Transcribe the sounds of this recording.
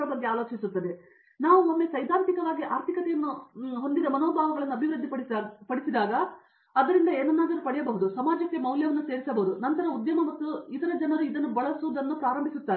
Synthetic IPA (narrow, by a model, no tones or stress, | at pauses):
ɐbɐɡːeaːlo̞ːt͡ʃisut̪ːɐd̪e̞ | naːʋuomːe̞sɐjd̪ʱaːnt̪ikɐʋaːɡiʔaːɾt̪ʰikɐt̪ɛjɐnːuɦo̞nd̪id̪ɐmɐnoːbʱaːʋɐɡɐɭɐnːuɐbʱiʋɾɨd̪ːiɐpɐɽisid̪aːɡɐː | d̪ɐɾind̪ɐeːnɐnːaːd̪ɐɾupɐɽɛjɐbɐɦud̪usɐmaːd͡ʒɐkːe̞mɐwljɐʋɐnːuse̞ːɾisɐbɐɦud̪unɐnt̪ɐɾɐud̪jɐmɐmɐt̪ːuit̪ɐɾɐd͡ʒɐnɐɾuid̪ɐnːubɐɭɐsud̪ɐnːupɾaːɾɐmbʱisut̪ːaː